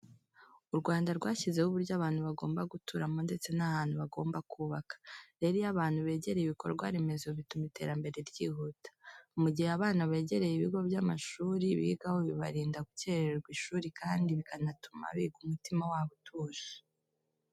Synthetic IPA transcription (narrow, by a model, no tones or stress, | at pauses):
uɾɡwaːndaɾɡwaːçize̞huβuɾɟaβaːn̥huβaɡo̞ːmbaɡutʰuɾamonde̞t͡se̞nahaːn̥huβaɡo̞ːmbakuːβakḁɾe̞ɾijaβaːn̥huβe̞ːɟe̞ɾe̞jiβiko̞̰ɾɡwa̰ɾime̞zo̞βitumite̞ːɾambe̞ɾe̞ɾjiːhutḁumuɟiheaβaːnaβe̞ːɟeɾe̞jiβiɡo̞bjamaʃuːɾiβḭːɡahoβiβa̰ɾiːndaɡuce̞ɾeeɾɡwiʃuːɾikʰaːndiβikanatʰu̥ma̰βiɡumutimawaːβotʰuːʃi̥